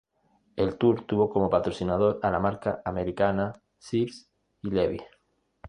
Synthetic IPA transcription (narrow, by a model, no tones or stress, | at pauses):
elt̪uɾt̪uβokomopat̪ɾosinað̞oɾalamaɾkaʔameɾikana | siɾs | ileβḭ